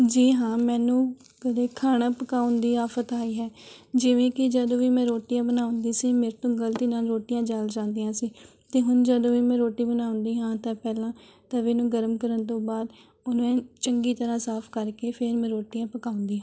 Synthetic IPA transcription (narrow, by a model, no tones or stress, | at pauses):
d͡ʒiːɦãːmɛːnũː | kəd̪eːkʰaːnãːpəkaːʊnd̪iːaːfʰət̪aːiːɦɛː | d͡ʒɪʋẽːkɪd͡ʒəd̪õːʋiːmɛ̃ːɾoːʈijãːbənaːʊ̃nd̪iːsiːmeːɾt̪õːɡəlt̪iːnaːlɾoːʈijãːd͡ʒaːld͡ʒãːnd̪iːjãːsiː | t̪eːɦʊnd͡ʒəd̪õːʋiːmɛ̃ːɾoːʈiːbənaːʊ̃nd̪iːɦãːt̪ãːpɛːlãːt̪ãːʋeːnũːɡəɾəmkəɾənt̪õːbaːd̪ | ʊnẽːt͡ʃəŋɡiːt̪əɾãːsaːpʰkəɾkeːpʰeɾmɛ̃ːɾoːʈijãːpəkaːʊnd̪iːɦãː